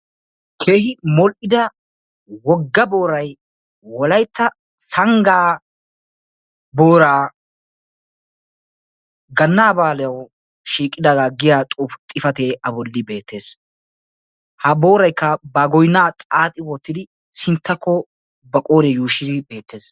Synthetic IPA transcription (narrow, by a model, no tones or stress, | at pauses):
kʰe̞ːhɪmɔlʔɪd̪ɐ | wɔɡːɐbo̞ːɾɐj | wɔlɐjt̪ːɐ | sɐŋɡaː | boːɾaː | ɡɐnːaːbaːlɛjɐw | ʃiːkʼːɪd̪ɐɡaːɡɪjaːt̪ʼuːft̪ʼɪfɐt̪eʔɐbɔlːɪbe̞ːt̪ːe̞ːs | hɐbo̞ːɾɐjkːɐbaɡɔjnːaːt̪ʼaːt̪ʼːɪwɔt̪ːɪd̪ɪ | sɪnt̪ːɐkːɔ | bɐkʼoːɾɛjuːʃɪd̪ɪbe̞ːt̪ːe̞ːs